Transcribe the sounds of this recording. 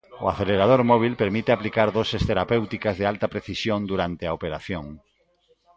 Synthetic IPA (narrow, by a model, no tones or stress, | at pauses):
oaθeleɾað̞oɾmɔβ̞ilpeɾmit̪eaplikaɾðosest̪eɾapewt̪ikazðealt̪apɾeθisjõnd̪uɾant̪eaopeɾaθjoŋ